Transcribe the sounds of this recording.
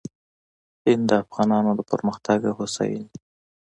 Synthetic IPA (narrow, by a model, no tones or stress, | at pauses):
hɪnd̪əafɣɑnɑnod̪əpə̰ɾməxt̪aɡahʊsa̰jḭn